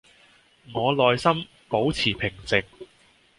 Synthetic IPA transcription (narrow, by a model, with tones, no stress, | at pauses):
ŋɔː˨˧lɔː˨˧jsɐ˥m | po˨˥wt͡sʰiː˨˩pʰɪ˨˩ŋt͡sɪ˨ŋ̚